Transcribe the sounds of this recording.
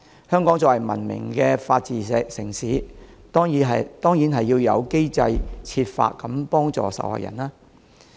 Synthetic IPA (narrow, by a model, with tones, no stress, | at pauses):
hœː˥ŋkɔː˨˥ŋt͡sɔː˧˥wɐ˨˩jmɐ̰˨˩nmɪ̰˨˩ŋkɛː˧faː˧t̚t͡siː˨˩ɛː˨˧ksɪ˨˩ŋsiː˨˥ | t̪ɔː˥ŋjiː˨˥ɦɐ˨t̪ɔː˥ŋjiː˨˥nɦɐ˨jːiː˧wjɐ̰˨˧wke˥jt͡sɐ˧jt͡sʰiː˧t̚fa̰ː˧t̚kɐ˨˦mpɔː˥ŋt͡sɔ̰ː˨˩sɐ̰˨˩wha̰ː˨jʔɐ̰˨˩naː˥